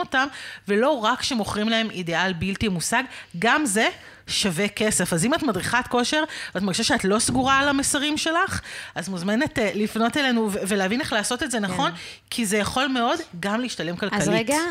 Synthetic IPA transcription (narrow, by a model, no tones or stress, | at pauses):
otamve̞lo̞ʁakʃe̞mo̞χʁimlae̞midealbiltimusaɡɡamze̞ | ʃaveke̞se̞fazimatmadʁiχatko̞ʃe̞ʁatmaʁɡiʃaʃeatlo̞sɡuʁalamesaʁimʃe̞laχʔazmuzme̞netlifno̞tele̞nuveveleavine̞χlaːso̞tetzenaχo̞n | kʰizejaχo̞lme̞o̞dɡamleiʃtale̞mkalkalietɡa